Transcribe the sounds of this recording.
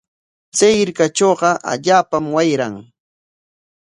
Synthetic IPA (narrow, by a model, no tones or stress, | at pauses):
t͡sajɪɾkat͡ʃoːɢɑʔa̰ʎaːpamwajɾaŋ